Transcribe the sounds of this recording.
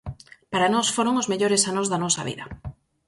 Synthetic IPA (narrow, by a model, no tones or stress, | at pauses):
paɾanɔsfoɾoŋozmeʎoɾesanozðɐnɔsɐβḭðɐ